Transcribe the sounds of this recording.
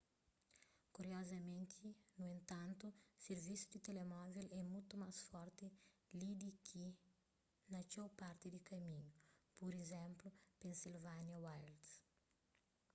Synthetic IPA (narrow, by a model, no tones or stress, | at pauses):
kuɾjɔzɐmẽnt̪ʰinuẽnt̪ãnt̪useɾvisjud̪it̪elemɔvilɛmult̪umasfɔɾt̪ilid̪ikʰi | nɐt͡ʃowpaɾt̪id̪ikɐmiɲupuɾezɛ̃mplʊpẽnsilvanjɐwajld̪s